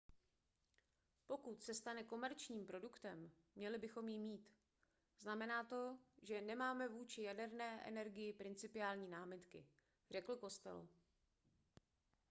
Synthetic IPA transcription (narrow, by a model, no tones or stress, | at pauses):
po̞kut̪sɛst̪anɛko̞mɛɾt͡ʃɲiːmpɾo̞dukt̪ɛmː | ɲɛlɪbɪxo̞mjɪmiːt̪ | znamɛnaːt̪o̞ʒɛnɛmaːmɛvuːt͡ʃɪjadɛɾnɛːʔɛ̰nɛɾɡɪjɪpɾɪnt͡sɪpɪaːlɲiːnaːmɪt̪kɪ̰ | r̝ɛkl̩ko̞st̪ɛ̰l